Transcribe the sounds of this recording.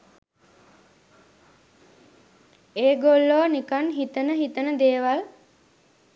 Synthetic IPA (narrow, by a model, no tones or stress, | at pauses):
eːɡolːonikanɦit̪ənəɦit̪ənəd̪eːʋal